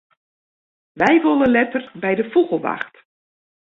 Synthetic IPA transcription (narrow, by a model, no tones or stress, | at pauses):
ʋɛjʋonənlɛtərbɛjdəfuɣəlˠʋa̰xt